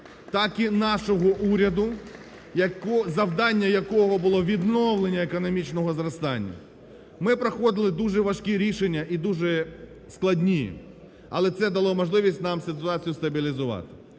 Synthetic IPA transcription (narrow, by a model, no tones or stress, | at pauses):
t̪ɑkinɑʃɔɦɔʔuɾʲɐd̪ʊ | jɐkɔzɐwd̪ɑnʲːɐjɐkɔɦɔbʊlˠɔʋʲid̪nɔwlˠenʲːɐekɔnɔmʲit͡ʃnɔɦɔzɾɐst̪ɑnʲːɐ̰ | mɪpɾɐxɔd̪ɪlˠɪd̪uʒɛʋɐʃkʲiɾʲiʃenʲːɐʔid̪uʒɛ | sklˠɐdʲnʲijɛ̰ | ɐ̰lˠɛt̪sɛd̪ɐlˠɔmɔʒlˠɪʋʲisʲtʲnɑmsɪt̪ʊɑt͡sʲijʊst̪ɐbʲilʲizʊʋɑ̰t̪ɪ̥